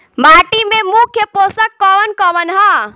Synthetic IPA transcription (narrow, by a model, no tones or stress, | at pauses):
maːʈimẽmukʰjəpoːsəkːɔʋənkɔʋənɦa